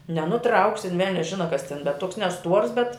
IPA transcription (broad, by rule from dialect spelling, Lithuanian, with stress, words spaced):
nʲɛnʊˈtrɐʊksʲɪ ɪn ˈʋʲɛlʲnʲɛs ˈʒʲɪnɐ kɐs tʲɪn bʲɛt tuɔks nʲɛˈstuɔrs bʲɛt